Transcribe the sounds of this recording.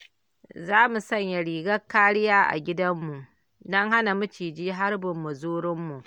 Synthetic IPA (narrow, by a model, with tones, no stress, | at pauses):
zaː˦mu˨sɐ˦˨ɲja˨ɽiː˨ɡɐ˦kːaː˦ɽɪ˦jaː˦ʔa̰˨ɡʲɪ˦dɐ˦mːu˨ʔ | dɔ˦ŋha˦na˨mʊ˦t͡ʃiː˨d͡ʒiː˦ɦa˦rbʊ˨mːu˨zuː˦ɽɪ˦mːu˨ʔ